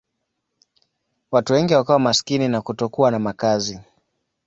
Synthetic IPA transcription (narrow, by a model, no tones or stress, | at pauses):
watuwɛŋɡiwakawamaskininakutɔkuanamakazi